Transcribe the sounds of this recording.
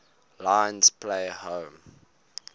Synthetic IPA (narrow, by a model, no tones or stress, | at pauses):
lãɪnzpʰleɪhõʊm